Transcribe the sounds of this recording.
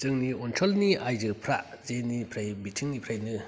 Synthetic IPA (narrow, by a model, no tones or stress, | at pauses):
zɯŋniɔntʰɔlniʔajzɯpʰɾaʔ | zenipʰɾajbitʰɯŋipʰɾajnɯ